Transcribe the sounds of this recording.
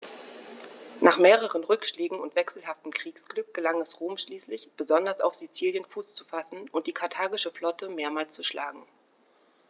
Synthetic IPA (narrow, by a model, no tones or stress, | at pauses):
nʔaːχmeːʁ̞əʁənʁʏkʃleːɡŋ̩ʊntv̥ɛksl̩ɦaftəm̩kʁ̥iːksɡ̥lʏk̚ɡ̥əlaŋɛsʁoːmʃliːslɪçb̥əzɔndɐsaʊfz̥it͡siːljənfuːst͡su̥fasn̩ʊnt̚d̥iːkʰaɐtʰaːɡɪʃəflɔtʰəmeːɐmaːlst͡suʃla̰ːɡŋ̩